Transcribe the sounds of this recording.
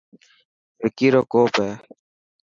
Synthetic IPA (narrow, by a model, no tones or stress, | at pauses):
ekiɾokoːpe